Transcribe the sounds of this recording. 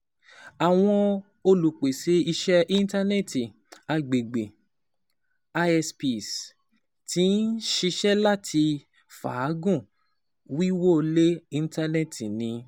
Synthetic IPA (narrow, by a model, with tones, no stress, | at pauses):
a˨w̃ɔ̃˧ | o˧lu˨k͡pe˨se˨˦i˧ʃɛ˦ʔi˦n˦ta˦ne˦˨ti˨ | a˧ɡ͡be˨ɡ͡be˨ | a˧ɛ˧spi˨s | tĩ˦n̩˦ʃi˧ʃɛ˦la˦tʰi˧ | fa̰˨˦ɡũ˦˨ | wi˦wo˦˧le˦i˦n˦ta˦ne˦˨ti˨nĩ˧